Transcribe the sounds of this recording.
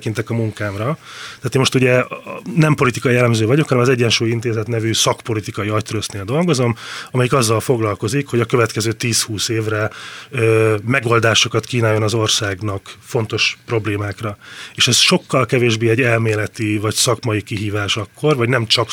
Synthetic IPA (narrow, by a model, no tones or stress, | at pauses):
kint̪ɛkɒmuŋkaːmrɒt̪ɛaːt̪eːnmo̞ʃt̪uɟɛnɛmpo̞lit̪ikɒjijɛlːɛmzøːvɒɟo̞khɒnɛmɒzɛɟːɛnʃuːjin̪t̪eːzɛt̪nɛvysɒkpo̞lit̪ikɒjiɒct̪ɾøsneːld̪o̞lɡo̞zo̞mɒmɛjikɒzːɒlfo̞ɡlɒlko̞zikho̞ɟɒkøvɛt̪kɛzøːt̪iːshuːseːvrɛøːmɛɡo̞ld̪aːʃo̞kɒt̪kiːnaːjːo̞nɒzo̞rsaːɡnɒkfo̞nt̪o̞ʃpro̞bleːmaːkrɒeːʃɛzʃo̞kːɒlkɛveːʒbeːɛɟːɛlmeːlɛt̪ivɒcsɒkmɒjikiɦiːvaːʃɒkːo̞rvɒɟnɛmt͡ʃɒk